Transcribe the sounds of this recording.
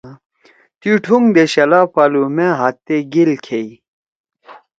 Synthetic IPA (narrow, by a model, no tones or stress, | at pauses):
t̪iʈʰuŋd̪eɕɐlaːpalumẽɦat̪ːeɡilkʰei